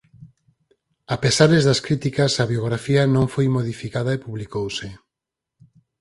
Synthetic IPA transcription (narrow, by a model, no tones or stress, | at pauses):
apesaɾezðɐskɾit̪ikɐsaβjoɣɾafiɐnõŋfojmoð̞ifikaðɐepuβlikowse